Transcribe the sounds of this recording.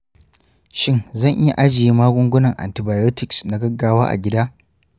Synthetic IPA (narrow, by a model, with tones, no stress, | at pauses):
ʃɪ˦ŋzɐ˦˨ŋʔɪ˦ja̰˨ʔa˦d͡ʒɪ˨jiː˦maː˦ɡʷʊ˦ŋɡʷʊ˦nɐ˨ŋʔa̰˨ntɪ˨baː˨jo˦tɪ˨ksna˨ɡɐ˦ɡːaː˦waː˦ʔa̰˨ɡʲɪ˦daː˦